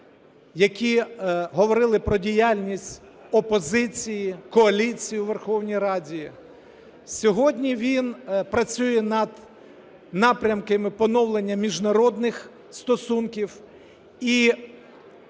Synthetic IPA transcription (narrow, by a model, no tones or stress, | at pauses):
jɐkʲiɦɔʋɔɾɪlˠɪpɾɔdʲijalʲnʲisʲtʲ | ɔpɔzɪt͡sʲijikɔɐlʲit͡sʲijuʋerxɔwnʲijɾɑdʲiji | sʲɔɦɔdʲnʲiʋʲinpɾɐt͡sʲujɛnɐd̪ | nɑpɾʲɐmkɪmɪpɔnɔwlˠenʲːɐmʲiʒnɐɾɔd̪nɪx | st̪ɔsunkʲiw | i